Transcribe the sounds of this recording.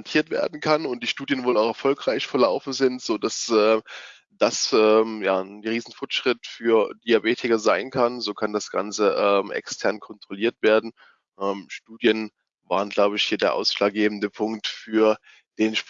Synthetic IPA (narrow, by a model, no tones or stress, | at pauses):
ntʰiːɐtv̥ḛːɐdn̩kʰanʊnt̚d̥iːʃtuːdjənvoːlaʊxɛɐfɔlkʁ̥aɪçfɛɐlaʊfn̩zɪntz̥oːdasʔɛːm | d̥asʔɛːmjaːnʁiːzn̩fɔɐtʃʁ̥ɪtfyːɐd̥iabeːtʰɪkɐzaɪnkʰanzoːkʰandasɡ̥a̰nt͡səʔɛːmʔɛ̰kstʰɛɐnkʰɔntʁ̥oliːɐtv̥eːɐdn̩ | ʔɛːmʃtuːdjən | va̰ːʁ̞ənɡlaʊbəɪçhiːɐdeːɐʔa̰ʊsʃlaːk̚ɡ̥eːbm̩dəpʰʊŋk̚tfyːɐ | d̥eːnʃp